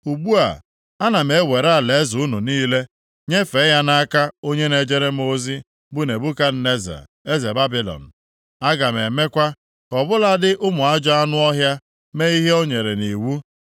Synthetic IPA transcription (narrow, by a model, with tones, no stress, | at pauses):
u˨ɡ͡bu˦a̰˨ | a˦na˨me˨˦wʷe˨ɾa˦˨le˨˦zʊ˨ʊ˦nu˨niː˦le˦ | ɲe˦fe˨˦ja˦na˦ka˦o˦ɲe˦ne˨d͡ʒe˦ɾe˦m˦o˦zi˦ | bʊ˦ne˨bu˦ka˦n̩˦ne˦za̰˨ | e˦ze˨ba˦bi˦lɔ̰˨n̩˨ | a˦ɡa˨me˨me˦kʷa˦ | kɔ˨bʊ˦la˦dɪ˦ʔʊ˦mʊ˨a˦d͡ʒɔ˦a˦nʊ˦ɔ˦ɦja˦ | me˦i˦ɦe˦o˦ɲe˨ɾe˨ni˨wu˦